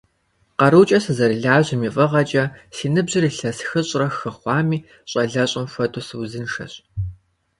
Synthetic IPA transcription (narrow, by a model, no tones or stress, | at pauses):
qɐɾuːt͡ʃʼɐsɨzɐɾiɮaːʑɪmiːfʼɐʁɐt͡ʃʼɐsiːnɨbʑɪriːɬɐsxɨɕʼrɐxɨχʷɑːmiː | ɕʼɐɮɐɕʼɪmfʷɐtʰʼusɨwzɨnʂɐ̰ɕ